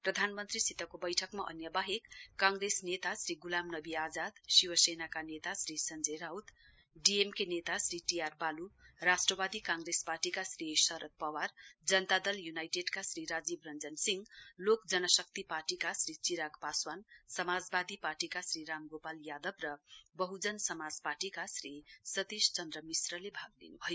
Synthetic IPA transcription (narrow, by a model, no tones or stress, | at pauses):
prʌd̪ʱanmʌnt̪risit̪ʌkobʌjʈʰʌkmaʔʌ̰njʌbaɦekːãŋɡresnet̪asɾiɡulamnʌbiad͡zad̪siwʌsenakanet̪asɾisʌnd͡zejɾawt̪ | ɖiemkenet̪asɾiʈijarbalurasʈrʌbad̪ikãŋɡresparʈikasrisʌɾʌt̪̚pʌward͡zʌnt̪ad̪ʌljunajʈeɖkasɾiɾad͡zibrʌnd͡zʌnsiŋɡlokd͡zʌnʌsʌkt̪ipaʈikasɾit͡siɾaɡpaswansʌmad͡zbad̪iparʈikasɾiɾamɡopaljad̪ʌbrʌbʌɦud͡zʌnsʌmad͡zpaʈikasrisʌt̪ist͡sʌnd̪ɾʌmisrʌlebʱaɡ̚d̪ḭnubʱʌjo